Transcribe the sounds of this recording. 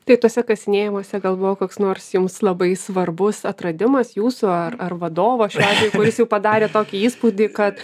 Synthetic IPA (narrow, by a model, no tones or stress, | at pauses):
t̪ɐɪt̪uɔsʲɛkɐsʲɪnʲeːjɪmoːsʲɛɡɐlˠbʊʋoːkoːksnoːrsjʊmslˠɐbɐɪsʋɐrbʊsɐt̪ɾɐd̪ʲɪmɐsjuːsʊɐrɐrʋɐd̪oːʋɐːʃʲæːʒʲʋʲɛjʊkʊɾʲɪsjɛʊpɐd̪ɑːɾʲeːt̪oːkʲiiːspud̪ʲiːkɐt̪